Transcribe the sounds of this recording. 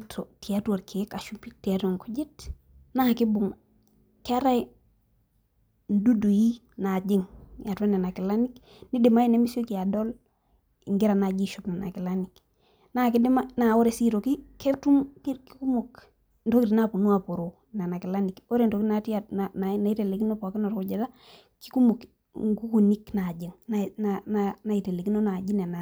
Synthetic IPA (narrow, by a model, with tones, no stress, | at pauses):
tʰo˨ti˨a˦tua˨ɾkʰe˨˦ka˨ʃu˦mpi˦ti˨a˦ta˨ŋku˦d͡ʒi˦t | na˦˨kɪ˦bʊ˨ŋ | kɪ˦a˦ɾa˦j | n̩˨du˦du˨ji˦ | na˨d͡ʒɪ˦ŋja˨te˦na˨na˨kɪ˨la˦nik | ni˦de˨ma˦i˦ne˦mi˦so˦ki˨a˨do˦l | ɪ˨ŋɡɪ˦ɾa˨na˨d͡ʒi˦ʃopna˨na̰˨ki˨la˦nik | na˦kɪ˦dɪ˦ma˦na˨o˦ɾe˨si˦ɾo˨ki˦kɛ˦tu˦mkki˦ku˦mo˨k | nto˦ki˨ti˨na˦pu˨nu˦a˨po˨ɾo˨ | na˨na˨kɪ˨la˦ni˨ko˦ɾe˨nto˨ki˦na˦ti˦a˨na˨na˨na˨i˦te˨le˨ki˦no˦pɔ˨kɪ˦nɔ˨ɾkʊ˨ɟe˨da˦ | ki̥˦ku˦mu˨k | ŋɡu˦ku˨ni˦kna˨d͡ʒɪ˨ŋna˨nanana˨i˨te˨le˨ki˦no˦na˨ɟi˦nɛ˨na˨